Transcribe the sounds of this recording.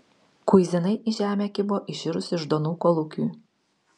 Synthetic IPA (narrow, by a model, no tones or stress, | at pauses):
kʊɪzʲɪnɐɪʔɪʒʲæːmʲɛkʲɪboːʔɪʃʲɪɾʊsʲɪʒd̪oːnuːkɔlˠʊkʲuː